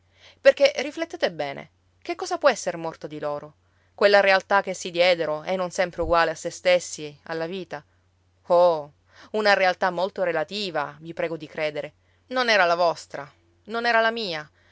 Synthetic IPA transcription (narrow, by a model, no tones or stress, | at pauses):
perkerːiflet̪ːeːt̪ebɛːnḛ | k̟ekːɔːzapwɔɛsːeɾmɔrt̪od̪iloːɾo | kwelːaɾealt̪ak̟ːesːid̪jɛːd̪eɾoɛnːonsɛmpɾeuɡwaːleasːest̪esːia̰lːaviːt̪a | o | unaɾealt̪amːolt̪oɾelat̪iːvavipɾɛːɡod̪ikɾeːd̪eɾe | nonɛːɾalavɔst̪ɾa | nonɛːɾalamiːa